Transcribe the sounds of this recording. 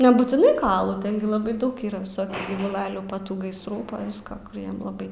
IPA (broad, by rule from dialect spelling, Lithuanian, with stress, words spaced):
nʲɛbuːtʲɪˈnɐɪ ˈkoːɐlˠʊ ˈtʲɛn ɡʲɪ lˠɐˈbɐɪ ˈdɐʊk ˈiːrɐ ʋʲɪˈsoːkʲuː ɡʲiːʋʊˈlˠɑːlʲuː pɐ ˈtuː ɡɐɪsˈruː pɐ ˈʋʲɪskɐ ˈkʊr ˈjɛm lˠɐˈbɐɪ